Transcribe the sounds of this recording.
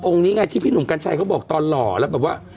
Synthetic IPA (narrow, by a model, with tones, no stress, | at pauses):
ʔo˧ŋniː˦˥ŋaː˧t̪ʰiː˥˩pʰiː˥˩nu˩˦mka˧nt͡ɕʰa˧jkʰa˦˥wbɔː˨˩k̚t̪ɔː˧nlɔː˨˩lɛ˦˥wbɛː˨˩waː˥˩